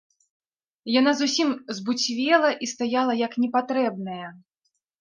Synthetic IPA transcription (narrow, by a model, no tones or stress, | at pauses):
janazusʲimzbut͡sʲvʲɛlˠɐʔist̪ajalˠɐjɐknʲɛpat̪ɾɛb̚nɐjɐ